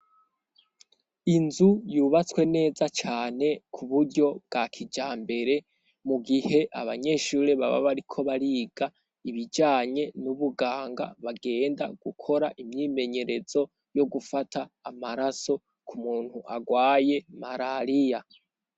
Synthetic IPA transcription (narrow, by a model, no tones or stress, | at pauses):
inzujuːβat͡swe̞ne̞ːzat͡ʃaːne̞kʰuβuɾɟo̞b̚ɡ̥akʰid͡ʒaːmbe̞ɾe̞ | muɡihe̞ʔa̰βaɲe̞ːʃuːɾeβa̰βa̰βaɾikʰo̞βaɾiːɡ̥a | iβid͡ʒaːɲe̞nuβuɡaːŋɡa̰βaɡe̞ːnda̰ɡ̥ukʰo̞ɾaʔimɲiːme̞ɲe̞ɾe̞z̥o̞ | jo̞ɡufataːmaɾaso̞ | kumuːn̥huʔaɡwaːje̞maɾaɾija